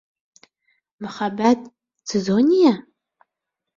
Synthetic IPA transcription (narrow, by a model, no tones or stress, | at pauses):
mɨχabad̚ʼ | t͡sʰɨzonija